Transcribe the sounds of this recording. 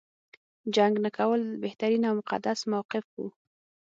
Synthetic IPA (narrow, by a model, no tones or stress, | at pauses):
d͡ʒaŋɡnakʰawəlbeht̪aɾinawmʊqa̰d̪asmawqɪfṵ